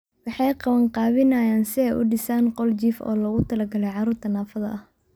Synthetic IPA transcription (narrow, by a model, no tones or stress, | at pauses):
wɑħɑjqɑβɐɴqɑːβɪnɐjaːnsɪɛjʔʊɖɪsaːnqɔlt͡ʃiːfɔ̰ːlɐɣʊt̪ʰɐlɐɡɐlɛjʕɑɾuːrt̪ʰɐnaːfɐðɐʔɐh